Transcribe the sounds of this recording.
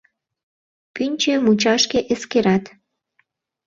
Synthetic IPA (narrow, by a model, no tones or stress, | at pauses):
pynʲt͡ɕemut͡ɕɑʃkeʔeskeɾɑt̪